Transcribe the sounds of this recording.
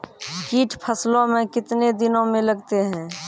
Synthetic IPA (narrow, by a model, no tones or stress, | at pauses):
kiːʈpʰəslõmẽkɪt̪ned̪ɪnõmẽləɡt̪eɦɛ̃ː